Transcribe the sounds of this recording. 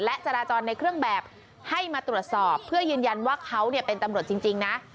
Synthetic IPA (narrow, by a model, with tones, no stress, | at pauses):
lɛ˦˥ʔt͡ɕa˧ɾaː˧t͡ɕɔː˧nːa˧jkʰɾɯ˥˩əŋbɛː˨˩p̚ | ha˥˩jmaː˧t̪ɾu˨˩ət̪̚sɔː˨˩pʰːɯ˥˩əjɯː˧nja˧nwaː˥˩kʰa˦˥wni˥˩ɐpe˧nt̪a˧mɾu˨˩ət̪t͡ɕi˧ŋt͡ɕi˧ŋna˦˥ʔ